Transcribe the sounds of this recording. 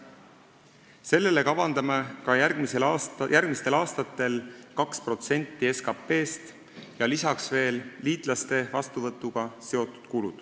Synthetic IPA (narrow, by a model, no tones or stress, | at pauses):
se̞lːe̞le̞kɑvɑnd̪̥ɑmekɑjærɡ̥miselɑsjʔærɡ̥̚mist̪e̞lɑːst̪ɑt̪ːe̞lkɑkspro̞t̪se̞nʲt̪ːie̞skɑpːe̞ːst̪ | jɑlisɑksve̞ːlliːt̪ˑlɑst̪e̞vɑst̪uvɤt̪ːˑuɡ̥ɑse̞o̞t̪ːˑu̥d̪̥kulud̪̥